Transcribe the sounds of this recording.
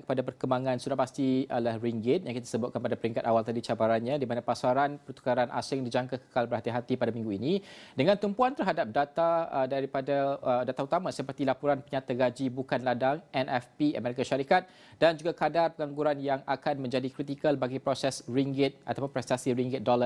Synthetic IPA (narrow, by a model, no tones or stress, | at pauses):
kə̥padap̬ərkəmbaŋãnsudahpast̪ilahɾiŋɡɪt̪̚jaŋkit̪ḁsəbʊt̪̚kanpadapəɾiŋkat̪awalt̪adit͡ʃabaɾanɲãdimanapasaɾanpərt̪u̥kaɾanʔa̰sɪŋdid͡ʒaŋkakə̥kalbərɦat̪iɦat̪ipadamĩŋɡuinidəŋãnt̪umpuant̪ərɦadap̚dat̪adaɾipadaədat̪aut̪amãsəpərt̪ilapuɾanpəɲat̪aɡad͡ʒibukanladaŋɛnʔɛfpia̰mɛɾikaʃaɾikat̪̚ | dand͡ʒuɡakadarpəɡaŋɡuɾanjaŋakanmə̃ɲd͡ʒadikɾit̪̬ikəlbaɡipɾosɛsɾiŋɡɪt̪̚ʔat̪apʊnpɾɛst̪asiɾiŋɡɪt̪̚dolər